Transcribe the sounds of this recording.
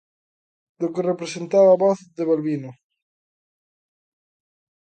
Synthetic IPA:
d̪okerepɾesent̪aβaβɔθd̪eβalβino

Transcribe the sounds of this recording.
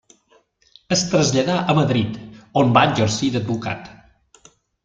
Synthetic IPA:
əst̪ɾəzʎəðaʔəməðɾit̪ombaɲʲd͡ʒəɾsid̪əd̪̚buka̰t̪

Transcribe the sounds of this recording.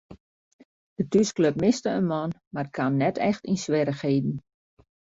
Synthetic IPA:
d̥ətyskløp̚mɪstəənmɔnmarkʰanːɛtʰɛxtinsʋɛɾəxeːdn̩

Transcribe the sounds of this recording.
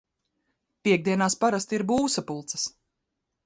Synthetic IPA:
pʲiɛɡ̚d̪iɛnaːspaɾast̪iɾbuːsapulˠt̪sɐ̥s

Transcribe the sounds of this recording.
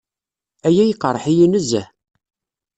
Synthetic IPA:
æjæjəqːəɾˤəħijinəzæ̰

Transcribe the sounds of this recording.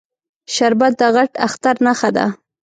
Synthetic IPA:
ʃaɾbat̪̚d̪əɣaʈaxt̪aɾnaxad̪a̰

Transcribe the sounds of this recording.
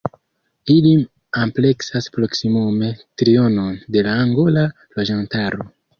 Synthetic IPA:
ilim | ample̞ksaspɾo̞ksimume̞tɾio̞no̞nde̞laːŋɡo̞la | loʒantaɾo

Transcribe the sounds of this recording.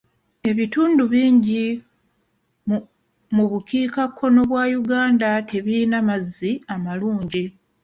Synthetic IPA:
e̞βituːnduβiːɲɟi | muβukiːkakʰːo̞no̞βwaːjuɡaːndate̞βiinamazːiamaluːɲɟi

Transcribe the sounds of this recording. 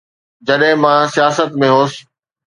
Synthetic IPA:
d͡ʑɐɗɦɪ̃mãsijaːsət̪mẽɦoːsɪ̥

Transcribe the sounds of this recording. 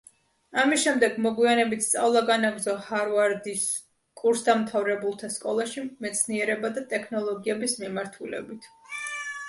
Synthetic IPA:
amisʃɛmd̪ɛɡmɔɡwianɛbit̪ʰst̪sʼavlˠaɡanaɡɾzɔhaɾvaɾd̪is | kʼuɾsd̪amt̪ʰavɾɛbulˠt̪ʰaskʼɔlˠaʃimɛt̪sʰniɛɾɛbad̪at̪ʼɛkʰnɔlˠɔɡiɛbismimaɾt̪ʰulɛ̰bit̪ʰ

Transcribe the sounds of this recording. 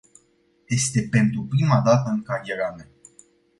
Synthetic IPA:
je̞st̪e̞pe̞nt̪ɾupɾimad̪at̪əɨŋkaɾjeɾame

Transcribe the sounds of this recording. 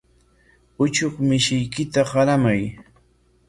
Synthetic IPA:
ʊt͡ʃoχmɪʃɪjkɪt̪aɢaɾamaj

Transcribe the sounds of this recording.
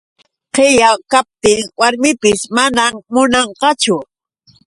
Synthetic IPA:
qejakap̚t̪ɪŋwaɾmɪpɪsmanammʊnɑɴqɑt͡ʃʊ

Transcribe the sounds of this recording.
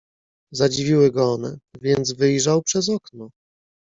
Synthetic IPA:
zad͡ʑivʲiwɘɡɔɔnɛvʲjɛnd̪zvɘjʐawpʂɛzɔknɔ

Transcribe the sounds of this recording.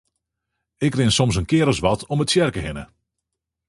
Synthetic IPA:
ɪkrɪnsɔmsənkɪəɾəsʋɑtʰɔmətsjɛrkəɦɪnə

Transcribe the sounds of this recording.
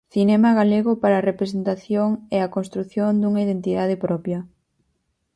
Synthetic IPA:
θinɛmɐɣaleɣʊpaɾaːrepɾesent̪aθjoŋɛɐkonst̪ɾuθjond̪uŋɐið̞ent̪iðað̞ɪpɾɔpjɐ

